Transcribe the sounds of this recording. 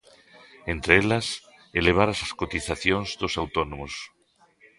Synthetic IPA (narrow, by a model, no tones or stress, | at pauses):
ent̪ɾeelas | eleβ̞aɾasaskot̪iθaθjonzðosawt̪onõmos